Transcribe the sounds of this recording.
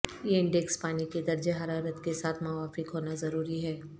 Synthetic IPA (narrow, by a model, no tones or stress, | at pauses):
jeɪ̃ɳɖekspaːniked̪ɐɾd͡ʒeɦɐɾaːɾət̪kesaːt̪ʰmɐʋaːfɪkɦoːnazɐɾuːɾiɦɛː